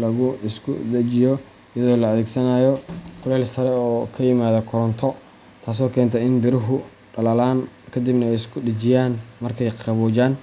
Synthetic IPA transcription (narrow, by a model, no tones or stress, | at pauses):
lɐɣʊɪskʰʊ̰d̪ɐt͡ʃɪjɔ | ɪjɐðɔːlɐɐðeːɡsɐnaːjɔqʊlɛːlsɐɾɛɔːkʰɐjɪmaːðɐkʰɔɾɔnt̪ʰɔ | t̪ʰaːs̬ɔːkʰɛːnt̪ʰɐɪnbɪɾɪɦʊ | ɖɐlɐlaːnkʰɐd̪ibnɐɛjɪskʰʊɖɐt͡ʃɪjaːnmɐrkʰɛjqʰɑβɔːd͡ʒaːn